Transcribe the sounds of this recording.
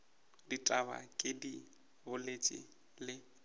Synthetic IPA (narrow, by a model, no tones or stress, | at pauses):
ditʼaba̰kʼɪdi | bʊlet͡ʃʼɪ̰ | lɪ